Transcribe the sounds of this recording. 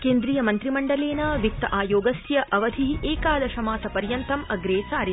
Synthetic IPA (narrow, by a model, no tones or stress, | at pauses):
keːnd̪ɾiːjɐmɐnt̪ɾimɐɳɖɐleːnɐʋik̚t̪ɐʔaːjoːɡɐsjɐʔɐʋɐd̪ʱiʔeːkaːd̪ɐʃɐmaːsɐpɐɾjɐnt̪ɐmɐɡɾeːt͡ʃaːɾi